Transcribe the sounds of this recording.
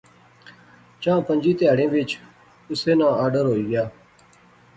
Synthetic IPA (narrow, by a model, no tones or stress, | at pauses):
t͡ʃãːpə̃ɲd͡ʒiːt̪ɪjaːɽẽːʋɪt͡ʃ | ʊseːnãːʔaːɖəɾɦoːiːɡɪjaː